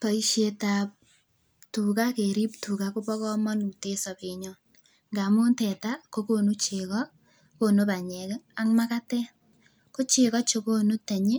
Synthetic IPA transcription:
pa˨i˦ʃe˦ta˨p | tu˨ka˦ke˨ɾi˦ptu˨kakʊ˦pɔ˦kɔ˦mɔ˦nu˨te˦sɔ˨beɲɔ˦ | ŋɡa˨mʊ˦ntɛta˦ko˦ko˦nu˦t͡ʃe˨kɔ˦ | ko˦no˦ba˨ɲɛ˨ka˦ŋma˦ka˦tɛ˦ | ko˦t͡ʃɪ˨kɔ˦t͡ʃo˧ko˦no˦tɛ˨ɲe˦

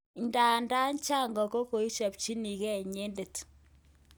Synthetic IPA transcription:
nda˨nda˦nt͡ʃa˦ŋɡɔ˨ko˦ko˨i˦t͡ʃa˨p̚t͡ʃi˦ni˨kɛ˦ɲe˦nde˨t

